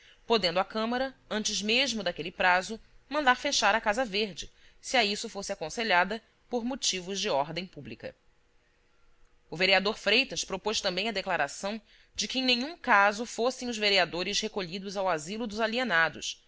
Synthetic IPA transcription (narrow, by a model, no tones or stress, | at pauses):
pod̪ẽnd̪ʊakɐ̃mɐɾɐɐ̃nt͡ʃɪzmeʒmʊd̪akelɪpɾazʊmɐ̃nd̪aɾfeʃaɾɐkazɐveɾd͡ʒɪsiaisʊfosɪakõseʎad̪ɐ | poɾmot͡ʃivʊzd͡ʒɪɔɾd̪ẽj̃publikɐ̰ | ʊveɾiad̪oɾfɾejt̪ɐʃpɾopoʃt̪ɐ̃mbẽj̃ɐd̪eklaɾʔasɐ̃w̃ | d͡ʒɪkɪẽj̃nẽɲũkazʊfosẽj̃ʊzveɾiad̪oɾɪʃhekoʎid̪ʊzawazilʊd̪ʊzalienad̪ʊ̰s